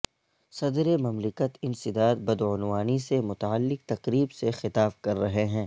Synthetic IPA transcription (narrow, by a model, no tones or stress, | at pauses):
sɐd̪ɾemɐmlɪkət̪ɪ̃nsɪd̪aːd̪̚bɐd̪ʊnwaːnisemʊt̪aːəlːɪk̚t̪ɐqɾiːbsexɪt̪aːbkɐɾːɐɦeɦɛ̃ː